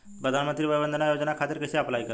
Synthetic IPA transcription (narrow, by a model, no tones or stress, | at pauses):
pɾəd̪ʱanmənt̪ɾiːʋəjbənd̪ənajod͡znakʰat̪əɾkəɕiːəplajkə